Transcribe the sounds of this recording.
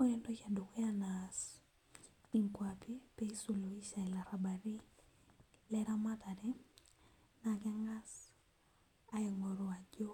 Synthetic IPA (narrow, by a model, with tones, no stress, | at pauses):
o˦ɛ˦ndoka˨do˨ke˦anas | i˨ŋkwapi˦pe˦i˦su˨lo˨i˦ʃa˨ɛ˨la˨ɾa˨ba˨ɾi˦ | lɛɾa˦mataɾɛ | naka˦ŋɡa˦s | a˦e˨ŋɔ˨ɾo˨a˨d͡ʒo˦